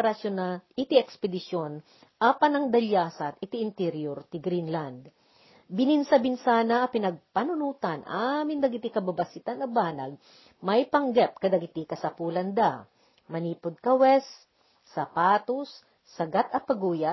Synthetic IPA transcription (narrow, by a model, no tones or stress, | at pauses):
ɾɐsjonaɪt̪iʔɛkspɛd̪ɪʃon | ʔaːpɐnɐŋd̪ɐljaːsɐt̪ʔɪt̪iʔɪnt̪ɛɾjoɾt̪ɪɡɾinland̪ | bɪnɪnsɐbɪnsaːnɐɐpɪnɐɡ̚pɐnʊnuːt̪anʔamɪnd̪ɐɡɪt̪ikɐbɐbɐsit̪anɐbaːna̰ɡ̚ | mɐjpɐŋɡɛp̚kɐd̪ɐɡɪt̪ikɐsɐpuːlɐnd̪a | mɐniːpʊd̪̚kɐwɛsː | ɐpaːt̪osː | ɐɡat̪ɐpɐɡuːja